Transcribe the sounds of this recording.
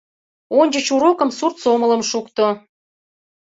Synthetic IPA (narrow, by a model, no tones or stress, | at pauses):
onʲd͡ʑət͡ɕuɾokə̆msurt̪somələ̆mʃukt̪o